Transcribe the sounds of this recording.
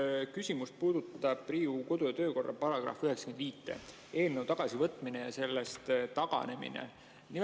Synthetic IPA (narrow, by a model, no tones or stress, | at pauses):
kysʲimust̪̚puːd̪̥ut̪ːɑb̥riːuko̞d̪̥ojɑt̪ø̞ːko̞rːɑ̰pɑɾɑɡ̥rɑ̰fyhe̞ksɑ̥kend̪viːt̪ˑːe̞̰ | e̞ːlnəwt̪ɑɡ̥ɑsivɤt̪ːˑminejɑse̞lːe̞st̪t̪ɑɡ̥ɑ̰ne̞mḭnḛ | ni